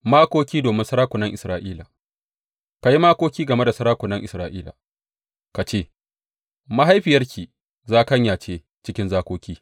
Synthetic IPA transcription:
maː˦kʷoː˦kʲiː˦doː˨mɪ˦nsɐ˦ɾaː˦kʷʊ˨nɐ˦ŋʔɪ˨sɾaː˦ʔiː˦la̰ː˨ | ka˨ji˦maː˦kʷoː˦kʲiː˦ɡɐ˨me˦da˨sɐ˦ɾaː˦kʷʊ˨nɐ˦ŋʔɪ˨sɾaː˦ʔiː˦la̰ː˨ | ka˨t͡ʃeː˦˨ | ma˦ɦa˦jɸɪ˨jɐ˦rkʲiː˨ | zaː˦kɐ˦ɲjaː˨t͡ʃeː˦ | t͡ʃɪ˦kʲɪ˦nzaː˦kʷoː˦kʲiː˦

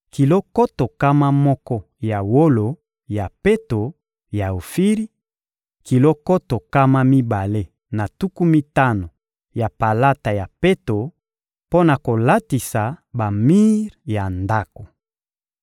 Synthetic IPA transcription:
ki˨lo˦ko˦to˨ka˦ma˦mɔ˦kɔ˦ | ja˨wo˦lo˨ | ja˨pe˦to˨ | ja˨o˨fi˦ʁi˦ | ki˨lo˦ko˦to˨ka˦ma˦mi˦ba˨le˦ | na˨tu˦ku˦mi˦ta˦no˨ | ja˨pa˨la˦ta˨ja˨pe˦to˨ | po˦na˨ko˨la˦ti˨sa˨ba˨mi˦ʁja˨nda˦ko˨

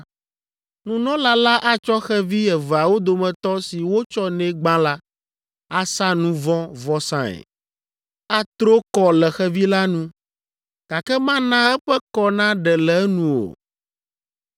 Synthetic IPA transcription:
nũ˦nɔ̃˦la˦la˦ʔa˦t͡ʃɔ˦xɛ˦vi˦ɛ˨va˨wo˦d̪o˨mɛ̃˨t̪ɔ˦si˨wo˦t͡ʃɔ˦nɛ̃˦ɡ͡bã˦la˦ | a˨sa˦nũ˦vɔ̃˦vɔ˦sã˦ɛ̰˨ | a˦t̪ɾo˦kɔ˨lɛ˨xɛ˦vi˦la˦nũ˦ | ka˨kɛ˦mã˦nã˦ɛ˦ɸɛ˦kɔ˦nã˦ɖɛ˨lɛ˨˦nũ˨o̰˨

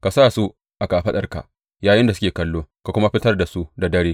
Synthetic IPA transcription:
ka˨saː˦˨su˦ | ʔa˨ka˨ɸɐ˦ɗɐ˨rka̰˨ | jaː˨jɪ˦nda˨sʊ˦kʲeː˨kɐ˦lːoː˦ka˨kʷʊ˦ma˦ɸɪ˦tɐ˦rda˨su˦da˨dɐ˦ɽeː˦

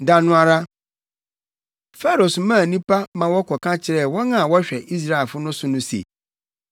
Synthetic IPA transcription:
dã˨nʊ̃˦a˨ɾa˦ | fɛ˦ɾo˨smã˦˨nĩ˦pʰa˦mã˨wɔ˦kʰɔ˨kʰã˦t͡ɕʰɪ˨ɾɛ˦˨wɔ˦nã˦˨wɔ˦ɕᶣɛ˨ʔi˦s̬ɾa˦e˨fʊ˦nʊ̃˦sʊ˦nʊ̃˦sḛ˨

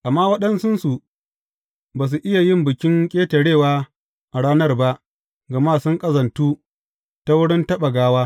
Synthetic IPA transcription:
ʔa˨mːaː˦wɐ˦ɗɐ˦nsʊ˦nsu˨ | baː˨s̬u˨ʔɪ˦ja˨jɪ˦˨mbɪ˨kʲɪ˦ŋkʲʼeː˦tɐ˨ɽeː˦˨waː˦ | ʔa˨ɽaː˦nɐ˦rba˦ʔ | ɡɐ˨maː˦sʊ˦ŋkʼɐ˦zɐ˨ntuː˦ | ta˦wʊ˦ɽɪ˦ntɐ˦ɓa˨ɡaː˦waː˦

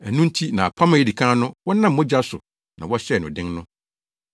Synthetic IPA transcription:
æ˨nũ˦n̩˦tʰi˦nã˨a˨pʰã˦mã˨jɛ˦di˨kʰã˦nʊ̃˦wɔ˦nã˦m̩ː˦ɔ˦d͡ʑa˦sʊ˨ | nã̰˨wɔ˦ɕɛ˦˨nʊ̃˨dɪ̃˦ŋnʊ̃˦

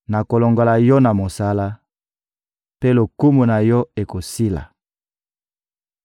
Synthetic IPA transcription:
na˨ko˨lo˨ŋɡo˨la˨jɔ˦na˨mo˨sa˦la˦ | pe˦lo˨ku˦mu˨na˨jɔ˦e˨ko˨si˦la̰˨

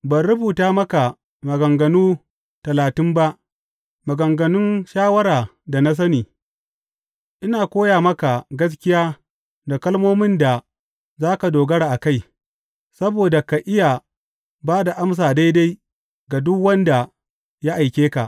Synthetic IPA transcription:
bɐ˨nɾʊ˦buː˨taː˦mɐ˦ka˨ | mɐ˨ɡɐ˨ŋɡɐ˨nuː˦ | tɐ˨laː˨tɪ˦mba˦ʔ | mɐ˨ɡɐ˨ŋɡɐ˨nʊ˦nʃaː˦wɐ˦ɾaː˨ | da˨na˦s̬ɐ˦niː˨ | ʔɪ˦naː˨kʷoː˦jaː˨mɐ˦ka˨ɡɐ˦s̬kʲɪ˦jaː˦ | da˨kɐ˦lmoː˦mɪ˦nda˨ | zaː˦ka˨doː˨ɡɐ˦ɽaː˨ʔa˨ka˦j | sɐ˦boː˨da˨ka˨ʔɪ˦ja˨ | baː˦da˨ʔa˦ms̬aː˨da˦jda˦j | ɡa˨dʊ˦kwɐ˦nda˨ | ja˦ʔa˨jkʲeː˦ka˨ʔ

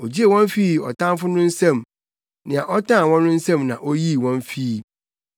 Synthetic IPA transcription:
o˨d͡ʑi˦e˦˨wɔ̃˦ɱ˦fi˦˨ɔ̰˨tʰã˦mfʊ˦nʊ̃˦n̩˦sɛ̃˦˨m | nɪ̃˨a˨ʔɔ˦tʰã˦˨wɔ̃˦nː˦ʊ̃˦n̩˦sɛ̃˦mnã̰˨ʔo˦ji˦wɔ̃˦n˦fi˦

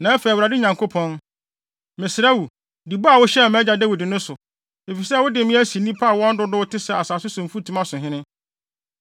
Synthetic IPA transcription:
nã˨æ˦fe˨wɾa˨dɪ˦ɲã˨ŋkʰo˦pʰɔ̃˦n | mɪ̃˨sɪ˨ɾa˦wu˨ | di˨bɔ˦a˨wʊ˦ɕɛ˦˨mɛ̃˦d͡ʑa˨dæ˦wi˨dɪ˨nʊ̃˦sʊ˨ | e˨fi˨sɛ˦˨wʊ˦dɪ˨mɪ̃˦æ˦si˨nĩ˦pʰa˦a˨wɔ̃˦n̩˦dʊ˦dʊ˦wʊ˦tʰɪ˦sɛ˨a˨saː˨sʊ˦sʊ̃˨m̩˨fu˦tʰũ˦mã˦sʊ̃˨ɦɪ̃˦nɪ̃˦

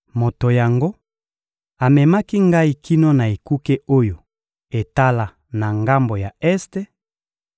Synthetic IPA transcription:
mo˨to˨ja˨ŋɡo˦ | a˨mɛ˨ma˦ki˦ŋɡa˦i˨ki˦no˦na˨e˨ku˦ke˦o˦jo˨ | e˨ta˦la˨ | na˨ŋɡa˦mbo˨ja˨ɛ˦ste˦

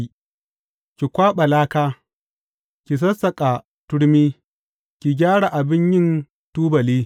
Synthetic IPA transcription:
kʲi˨kʷaː˦ɓɐ˨laː˦kaː˦ | kʲi˨s̬ɐ˦sɐ˨kʼa˨ | tʊ˦ɽmiː˦ | kʲi˨ɡʲaː˦ɽa˨ʔa˨bɪ˦ɲjɪ˦˨n | tuː˦bɐ˨liː˦

